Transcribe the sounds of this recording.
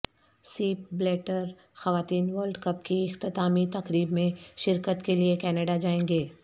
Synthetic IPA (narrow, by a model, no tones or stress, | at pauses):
siːp̚bleːʈəɾ | xɐʋaːt̪iːnʋəːɾlɖkɐpkiɪxt̪ɪt̪aːmit̪ɐqɾiːbmẽʃɪɾkət̪keliekɛːnəɖad͡ʒaːẽːŋɡeː